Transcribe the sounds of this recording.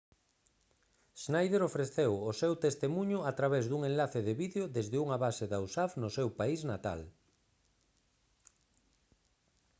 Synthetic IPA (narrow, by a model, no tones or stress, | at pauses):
ʃnajð̞eɾofɾeθewosewt̪est̪emuɲʊat̪ɾaβezðuŋenlaθeðeβiðeoðezðɪuŋaβaseðawsafnosewpaiznat̪a̰l